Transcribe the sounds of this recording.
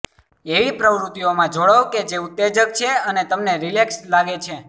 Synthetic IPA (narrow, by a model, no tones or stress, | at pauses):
eʋipɾəʋɾut̪iomãd͡ʒoɭəʋked͡ʒeut̪ːed͡ʒək̚t͡ʃʰeənet̪əmneɾilekslaɡet͡ʃʰe